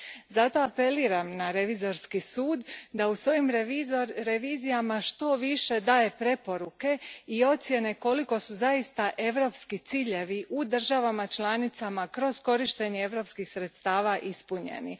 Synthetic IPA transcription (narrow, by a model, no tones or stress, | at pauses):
zat̪o̞ape̞liːɾamnaɾe̞ʋizo̞ɾskisuːd̪d̪ausʋo̞jim | ɾe̞ʋiːzijamaʃt̪o̞ʋiʃe̞d̪aːje̞pɾe̞po̞ɾuke̞io̞t̪sje̞ne̞ko̞liko̞suzaist̪aʔe̞ʋɾo̞ːpskit̪siːʎe̞ʋiʔud̪r̩ʒaʋamat͡ʃlˠanit̪samakɾo̞zko̞ɾiʃt̪e̞ɲeeʋɾo̞pskixsɾe̞t̪st̪aːʋaʔispuɲḛnḭ